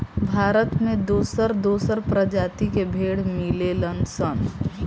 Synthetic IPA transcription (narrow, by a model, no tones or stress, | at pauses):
bʱaːɾət̪mẽd̪oːsəɾd̪oːsəɾpɾəd͡ʒaːt̪ikebʱeːɽmɪlelənsən